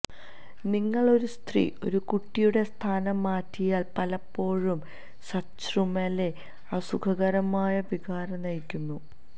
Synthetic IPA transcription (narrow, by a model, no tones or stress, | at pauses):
niŋːɐɭo̞ɾust̪rḭo̞̰ɾukuʈːijuɽe̞st̪ʰaːnɐmːaːtːijaːlpɐlɐpːo̞ːɻum | sɐt͡ɕrumɐle̞ | ɐsukʰɐɣɐɾɐmaːjɐʋiɡaːɾɐnɐjikʲːunːu